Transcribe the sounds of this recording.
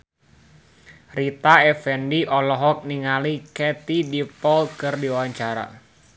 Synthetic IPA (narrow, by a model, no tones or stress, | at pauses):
rit̪aɛfɛndiʔɔlɔɦɔk̚niŋalikɛt̪idipɔlkɨrdiawaɲt͡ʃaɾa̰